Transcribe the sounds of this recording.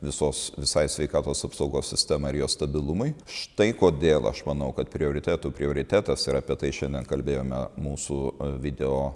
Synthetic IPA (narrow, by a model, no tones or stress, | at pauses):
ʋʲɪsoːsʋʲɪsɐɪsʲʋʲɛɪkɑːt̪oːsɐpsɐʊɡoːsʲsʲɪsʲt̪ʲæːmɐɪɪɾjoːst̪ɐbʲɪlˠʊmɐɪʃt̪ɐɪkoːd̪ʲeːlˠɐ̰ʃmɐnɐʊkɐt̪pʲɾʲɪoːɾʲɪt̪ʲæːt̪uːpʲɾʲɪoːɾʲɪt̪ʲæːt̪ɐsɪɾɐpʲiɛt̪ɐɪʃʲɛnd̪ʲiɛnkɐlʲbʲeːjoːmʲɛ̰muːsuːʋʲɪd̪ʲɛoː